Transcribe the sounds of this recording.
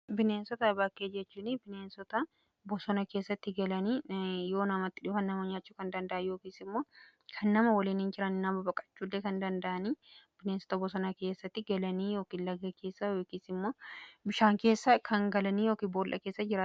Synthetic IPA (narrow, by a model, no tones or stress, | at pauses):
bɪneːnsɔt̪ɐbɐkːeːd͡ʒɛt͡ʃːuːnɪbɪneːnsɔt̪ɐ | bɔsɔnɐke̞ːsːɐt̪ːɪɡɐlɐniːjo̞ːnɐmɐt̪ːɪᶑɪhɐnːɐmɐɲaːt͡ʃːuːkɐnd̪ɐnd̪ɐʔɐjo̞ːkiːsɪmːo̞ː | kʰɐnːɐmɐwɐliːnɪnd͡ʒɪɾɐnɪnɐbɐbɐkʼɐ̥t͡ʃːuːlːekɐnd̪ɐnd̪ɐʔɐniːb̥ɪneːnsɔ̥t̪ɐbɔsɔnɐke̞ːsːɐt̪ːɪɡɐlɐniːjo̞ːkiːnlɐɡɐke̞ːsːɐjoːkiːsɪmːo̞ːbɪʃaːŋke̞ːsːɐkʰɐŋɡɐlɐniːjoːkiːboːlʔɐ̰keːsːɐd͡ʒɪɾaː